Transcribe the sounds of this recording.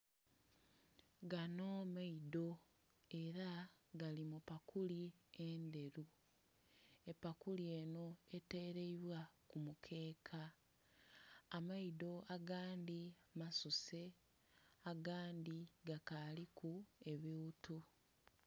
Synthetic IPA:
ɡanoːmaido̞ | e̞ɾaɡalimupakʰuliende̞ɾu | e̞pakulie̞no̞e̞te̞ːɾe̞iβwakumukʰe̞ːkʰa | maido̞aɡaːndimasuse̞ | aɡaːndiɡakalikʰue̞βiutu

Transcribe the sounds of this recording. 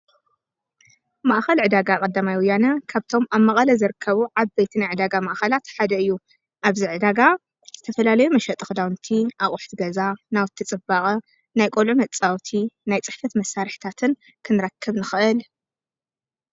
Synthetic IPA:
maʔxɐlʕɨd̪aɡakʼɐd̪ːamajwɔjːanɐkʰaβt̪ʰo̞maβmɐχʼɐlɐzɨɾɨkʰːɐβuʕaβbejt̪ʰinajʕɨd̪aɡamaʔxɐlat̪ħad̪ɐɨjːu | ʔaβziʕɨd̪aɡa | z̥ɨt̪ʰɐfɐlalɐjumɐʃɐt̪ʼɨxd̪awnt̪ʰiʔaχʼʊħt̪ʰɡɐzanawt̪ʰːit͡sʼɨbaχʼɐ | najkʼolʕumɐt͡sʼawt̪ʰinajt͡sʼɨħfɐt̪mɐsːaɾħt̪ʰat̪ʰɨn | kʰɨnɨɾɐkʰːɨβnɨxɨʔɨl

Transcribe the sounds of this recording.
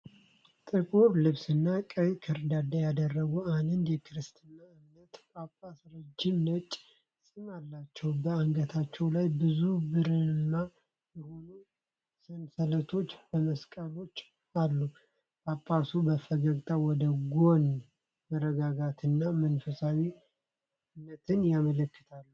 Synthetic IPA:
t̪ʼɨkʼuɾlɨβsɨnːakʼəjkʰəɾd̪ad̪ajad̪ərːəɡuand̪ɨnd̪jɛkʰɨɾɨst̪ʰɨnːaɨmnət̪kʼapʼːasɾəd͡ʒːɪmnət͡ʃʼː | sɨmalːat͡ʃːɛwbəaŋɡət̪ʰat͡ʃːɛwlajbɨzubɨɾɨɨnːa | jɛho̞nu | sənsələt̪ʰo̞t͡ʃːbəməskʼalo̞t͡ʃː | alːu | kʼapʼːasubəfəɡəkt̪ʼawɔd̪əɡo̞n | məɾəɡaɡat̪ʰɨnːamənfəsawi | ɨmnət̪ʰɨnjamələkːɨ̥t̪ʰalːu

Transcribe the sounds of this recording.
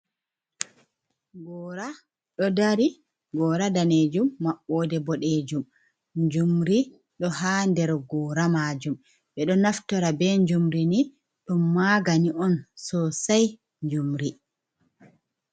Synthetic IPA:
ɡɔɾa | ɗɔdaɾi | ɡɔːɾadaned͡ʒumːaɓːɔdɛbɔɗed͡ʒum | ɲd͡ʒumɾi | ɗɔhandɛɾɔɡɔːɾamad͡ʒum | ɓɛɗɔnaftɔɾabɛɲd͡ʒumɾini | ɗumːaɡaniʔɔnsɔsaj | ɲd͡ʒumɾi

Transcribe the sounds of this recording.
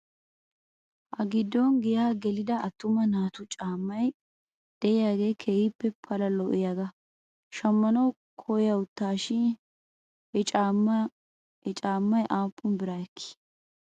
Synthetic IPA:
ʔɐɡɪd̪ːɔnɡɪjaːɡɛlɪd̪ɐɐt̪ːʊmɐnaːt̪ʊt͡ʃʼaːmːɐj | d̪̥ɛjɪjaːɡe̞ːkʰeːjɪpːɛpʰɐlɐlɔʔɪjaɡɐ | ʃɐmːɐnɐw | kʰɔjɐʊt̪ːaːʃɪn | hɛt͡ʃʼaː | t͡ʃʼaːmːɐjʔaːpːʊnbɪɾajɛkːɪ̥

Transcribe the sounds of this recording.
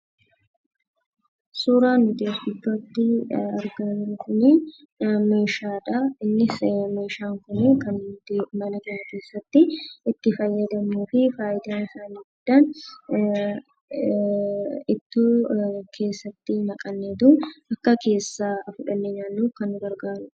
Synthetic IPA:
suːɾaːnːʊd̪eːsɡɪtːoɐt̪ːɪɐɾɡɐnkʊni | meːʃaːᶑɐɪnːɪme̞ːʃaːŋkʊnɪkɐnd̪mɐnɐk̪ɐɾɐke̞ːsːɐt̪ːɪɪt̪ːɪfɐjːɐd̪ɐmuːfɪfaːʔɪd̪aːnɪsaːniːɡʊd̪̥ːɐn | ɪt̪ːuːkʰe̞ːsːɐt̪ːɪmɐkʼɐnːeːt̪ʊnɐkːɐke̞ːsːaːfʊᶑɐnːeɲaːnːuːkɐnːʊɡɐɾɡaːɾʊ̥

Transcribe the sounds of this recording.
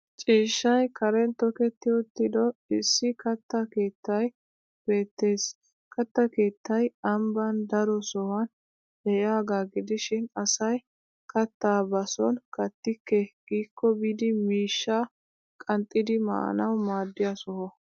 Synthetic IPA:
t͡ʃʼiːʃːɐjkʰɐɾɛnt̪ɔkɛt̪ːɪʊt̪ːɪd̪ɔɪsːɪkɐt̪ːɐke̞ːt̪ːɐj | b̥e̞ːt̪ːe̞ːs | kɐt̪ːɐke̞ːt̪ːɐjɐmbɐnd̪ɐɾɔsɔhɐn | dɛʔaːɡaːɡɪd̪ɪʃɪnɐsɐj | kɐt̪ːaːbɐsɔnkɐt̪ːɪkːɛɡ̥iːkːɔbid̪ɪmiːʃːa | kʼɐnt̪ʼːɪd̪ɪmɐ̰ʔɐ̰nɐwmaːd̪ːɪjɐsɔhɔ

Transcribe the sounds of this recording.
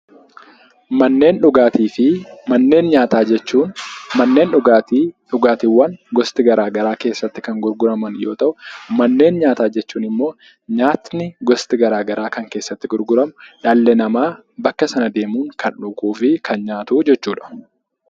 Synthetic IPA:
mɐnːe̞ːnᶑʊɡaːt̪iːfɪmɐnːe̞ːnɲaːt̪aːd͡ʒɛt͡ʃːuːnmɐnːe̞ːnʊat̪ːᶑʊɡaːt̪ɪwːɐnɡɔst̪ɪɡɐɾaːɡɐɾaːke̞ːsːɐt̪ːɪ̥kɐŋɡʊɾɡʊɾɐmɐnjo̞ːt̪ɐʔʊmɐnːe̞ːnɲaːt̪aːd͡ʒɛt͡ʃːuːnɪmːo̞ː | ɲaːt̪nɪɡɔst̪ɪɡɐɾaːɡɐɾʔaːkɐŋkeːsːɐt̪ːɪɡʊɾɡʊɾɐmʊᶑɐlːɛnɐmaː | bɐkːɐsɐnɐd̪e̞ːmuːŋkʰɐnᶑʊkʼuːfɪkʰɐnɲaːt̪ʊd͡ʒɛt͡ʃːuːᶑɐ̥

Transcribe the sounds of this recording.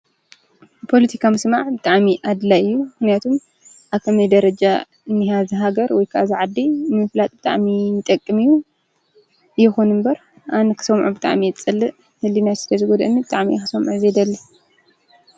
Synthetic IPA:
pʰo̞lɐt̪ʰikʰamɨsmaʕbɨt̪ʼaʕmiʔad̪laɨjːumɨxnijat̪ʰum | ʔaβkʰɐmɐjd̪ɐɾɐd͡ʒa | ɨnːihazɨɦaɡɐɾwɔjkʰɨʔazɨʕad̪imɨflat̪ʼbɨt̪ʼa̰ʕmijɪt̪ʼɐkʼːɨmijːu | jɛxunɨmbɐɾ | ʔanɐkʰɨ̥sɐmʕubɨt̪ʼa̰ʕmijɛt͡sʼɨlːɨ | hɨlinat̪sɨ̥t̪ʰɐzɨɡod̪ɐʔɨnːibɨt̪ʼaʕmixɨsɐmʕuzed̪ɐlːi

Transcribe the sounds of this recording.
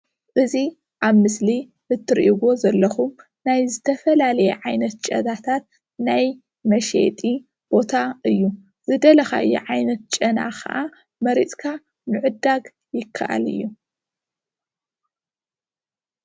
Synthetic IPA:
ʔɨzi | ʔaβmɨsli | hɨt̪ʰːɨɾʔiɡo̞zɐlːɐxum | najzɨt̪ʰɐfɐlalɐjɛ̰ʕajnɐt̪̚t͡ʃʼɐ̰d̪at̪ʰat̪̚ | naj | mɐʃḛt̪ʼi | b̥o̞t̪ʰaʔɨjːu | zɨd̪ɐlɐxa̰ʔɨjːṵʕajnɐt̪̚t͡ʃʼɐna̰xɐ̰ʔa | mɐɾit͡sʼkʰa | nɨʕɨd̪aɡ | jɪkʰːa̰ʔa̰lɨ̰jːu

